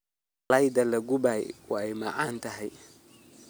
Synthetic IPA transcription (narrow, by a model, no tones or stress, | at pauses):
lɐjd̪ɐlɐɡʊbajwɑɛjmaʕaːnt̪ʰɐɦɛj